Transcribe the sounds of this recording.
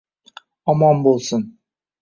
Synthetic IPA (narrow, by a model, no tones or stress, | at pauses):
ɔmɔmbolˠsən